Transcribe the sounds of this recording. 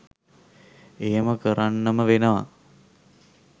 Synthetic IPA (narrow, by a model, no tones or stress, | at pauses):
ejəməkəɾanːəməʋenəʋa̰